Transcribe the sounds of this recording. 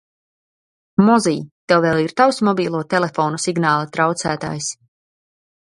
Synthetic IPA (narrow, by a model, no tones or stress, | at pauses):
mɔziːt̪ɛwveːlˠiɾt̪awsmɔbiːlˠuɔt̪elefɔːnusiɡnaːlˠat̪ɾawt̪sæːt̪a̰ːjs